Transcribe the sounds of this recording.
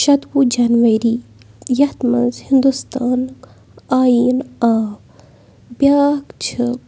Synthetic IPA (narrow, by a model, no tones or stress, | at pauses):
ʃɐt̪wud͡ʒɐnʋɐɾi | jɐht̪mɐ̰nzhind̪ust̪aːn | aːjiːnaːw | bjaːkt͡ʃʰɨ